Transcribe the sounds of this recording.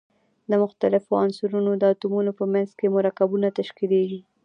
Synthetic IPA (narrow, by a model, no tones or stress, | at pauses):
d̪əmʊxt̪alɪfoansʊɾunod̪əat̪umunopəmanzkemʊɾakabunat̪aʃkid̪eɡi